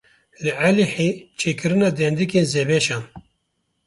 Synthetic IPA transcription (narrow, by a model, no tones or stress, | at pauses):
lɨʕæliħet͡ʃʰeːkɨɾɨnɑːd̪ɛnd̪ikeːnzebɛʃɑːn